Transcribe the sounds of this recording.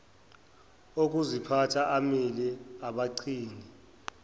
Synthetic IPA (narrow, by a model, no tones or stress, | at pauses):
ok̬ʼuzipʰatʰaʔamilɛaɓaǀʰiːni